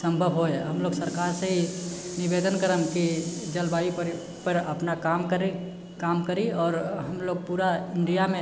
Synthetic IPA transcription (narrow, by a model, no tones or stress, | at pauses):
sə̃mbʱəbɦoeɦəmloːɡsəɾkaːɾseɦinɪbeːd̪ənkəɾəmkid͡ʒəlbaːjipɾ | pəɾɐpnakaːmkəɾi | kaːmkəɾiɔːɾɦəmloːɡ̚puːɾaɪɳɖijamẽ